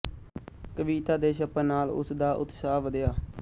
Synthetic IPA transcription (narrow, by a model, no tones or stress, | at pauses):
kəʋiːt̪aːd̪eːʃəpẽːnaːlʊ̰sd̪aːʔʊ̰t̪saːʋəd̪jaː